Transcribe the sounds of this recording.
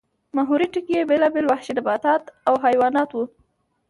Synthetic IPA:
maɦuɾiʈɪkjebelɑbelwahʃinabɑt̪ɑt̪awɦajwɑnɑt̪wu

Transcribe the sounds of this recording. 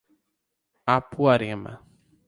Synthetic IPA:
apuaɾẽmɐ̰

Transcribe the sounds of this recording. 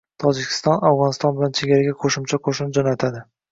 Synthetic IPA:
t̪ʰɒd͡ʒɪkʲʰɪ̥st̪ɒnawʁɒnɪst̪ɒnbɪlant͡ʃʰeɡʲaɾaɡʲaqʰoʃɪmt͡ʃʰaqʰoʃnɪd͡ʒɒnat̪ʰad̪ɪ

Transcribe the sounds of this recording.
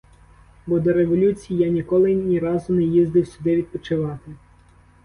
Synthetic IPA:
bɔd̪ɔɾeʋɔlʲut͡sʲijijanʲikɔlˠɪnʲiɾɑzʊnɛjizd̪ɪwsʲʊd̪ɪʋʲid̪̚pɔt͡ʃɪʋɑt̪ɪ

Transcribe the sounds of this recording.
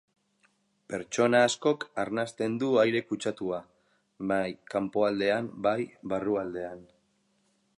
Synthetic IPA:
pe̞ɾt͡ʃo̞naːsko̞kaɾnast̪e̞nd̪uajɾe̞kut͡ʃat̪ua | ajkampo̞ald̪e̞ambajβaruald̪e̞an

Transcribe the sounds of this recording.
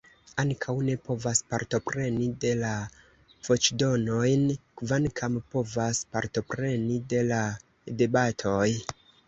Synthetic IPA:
aŋkʰawne̞po̞vaspaɾto̞pɾe̞nide̞la | v̥o̞t͡ʃdo̞no̞jnkvankʰampo̞vaspaɾto̞pɾe̞nide̞la | de̞batʰo̞j

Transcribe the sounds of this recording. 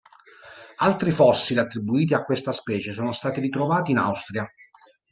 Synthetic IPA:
alt̪ɾifɔsːiliat̪ːɾibuiːt̪̬iakːwest̪aspɛːt͡ʃesoːnost̪aːt̪irit̪ɾovaːt̪iːna̰wst̪ɾja

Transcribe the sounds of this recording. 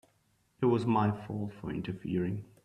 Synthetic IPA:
ɪt̚wʌzmaɪfɔlˠfə˞ɪ̰̃ntəfḭɹɪ̃ŋ

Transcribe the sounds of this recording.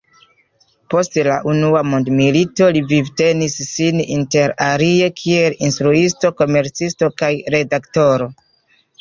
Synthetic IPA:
po̞stlaʔunuamondmilito̞livivte̞nisːininte̞ɾaɾie̞kʰie̞linstɾuisto̞ko̞me̞ɾt͡sisto̞kajɾe̞dakto̞ɾo̞

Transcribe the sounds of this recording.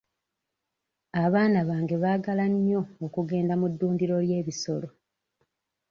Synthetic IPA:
aβaːnaβaːŋɡe̞βaːɡalaɲo̞ːkuɡe̞ːndamudːuːndiɾo̞lje̞ːβiso̞lo̞

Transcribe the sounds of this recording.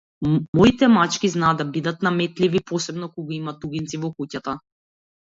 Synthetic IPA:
mɔit̪ɛmat͡ʃkiznaːd̪abid̪at̪namɛt̪livipɔsɛbnɔkɔɡaimat̪uɡint̪sivɔkucat̪a

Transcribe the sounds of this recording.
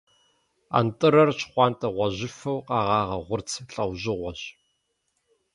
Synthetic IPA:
a̰ntʼɨɾɐrt͡ʃʰχʷɑːntʼɐʁʷɔʑɪfɐwqʼɑːʁɑːʁɐʁʷʊrt͡sʰɬʼɐwʑɪʁʷɔʑ

